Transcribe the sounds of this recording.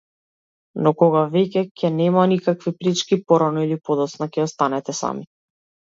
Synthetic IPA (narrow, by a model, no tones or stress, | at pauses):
nɔkɔɡavɛcɛcʰʲɛnɛmanikakvipɾit͡ʃkipɔɾanɔilipɔd̪ɔt̪snakɛjɔst̪anɛt̪ɛsa̰mi